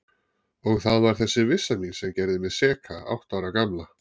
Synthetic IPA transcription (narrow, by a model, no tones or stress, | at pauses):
ɔɣθaðvaɾ̥θɛsːɪvɪsːaminsɛmcɛɾðɪmɛðsɛːkʰaa̰wht̪awɾakamla